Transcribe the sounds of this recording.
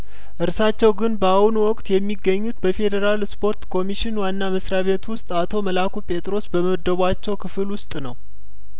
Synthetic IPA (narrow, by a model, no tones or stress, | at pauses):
ʔɨɾsat͡ʃːɛwɡɨnbəawunuwɔkʼt̪jɛmːiɡːəɲːut̪bəfe̞d̪əɾalspʰo̞ɾt̪kʰo̞miʃɪnwanːaməsɾaβe̞t̪wʊst̪ʼat̪ʰo̞məlakupʼe̞t̪ʼɾo̞sbəməd̪ːəβʷat͡ʃːɛwkʰɨfɨlwʊst̪ʼnəw